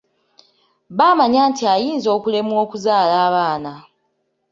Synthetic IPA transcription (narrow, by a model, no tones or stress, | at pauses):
βaːmaɲaːntiajiːnzo̞ːkule̞mwoːkuzaːlaːβaːna